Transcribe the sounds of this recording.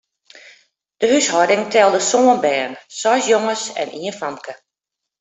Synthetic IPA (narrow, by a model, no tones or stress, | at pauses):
d̥əhyshɔdɪŋtʰɛlˠdəsoːənbɛːnsɔsjoŋəsɛ̰nʔiːənfamkʰə